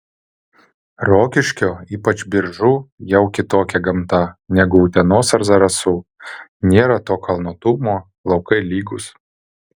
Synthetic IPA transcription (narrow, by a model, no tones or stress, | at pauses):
ɾoːkʲɪʃʲkʲoːiːpɐt͡ʃbʲɪɾʒʊjɛʊkʲɪt̪oːkʲɛɡɐmt̪ɐnʲɛɡʊːt̪ʲɛnoːsɐɾzɐɾɐsunʲeːɾɐt̪oːkʰɐlˠnoːt̪ʊmoː | lˠɒʊkɐɪlʲiːɡʊs